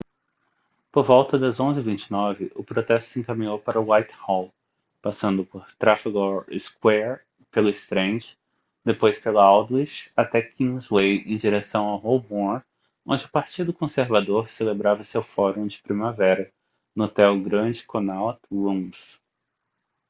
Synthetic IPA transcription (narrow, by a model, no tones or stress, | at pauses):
poɾvɔwt̪ɐd̪ɐzõzɪivĩnt͡ʃɪnɔvɪʔʊpɾot̪ɛst̪ʊ̥sẽkamĩɲowpaɾʊwajt̪hɔl | pasɐ̃nd̪ʊpoɾt̪ɾafiɡɔɪskwɛɾ | pelʊɪst̪ɾẽnd͡ʒɪ̥ | d̪epojspelɐawd̪isat̪ɛkʰĩŋzwejẽd͡ʒiɾesɐ̃w̃awhowbɔ̃ | õnd͡ʒɪʊpaɾt͡ʃid̪ʊkõseɾvad̪oɾselebɾavɐsewfɔɾõd͡ʒɪ̥pɾimavɛɾɐ | not̪ɛwɡɾɐ̃d͡ʒɪkʰõnawt̪lũs